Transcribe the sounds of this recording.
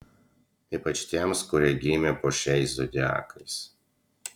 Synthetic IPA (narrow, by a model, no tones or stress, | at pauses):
iːpɐt͡ʃt̪ʲiɛmskʊɾʲiɛɡʲiːmʲɛpoːʃʲɛɪszɔd̪ʲɪæ̰ːkʰɐɪs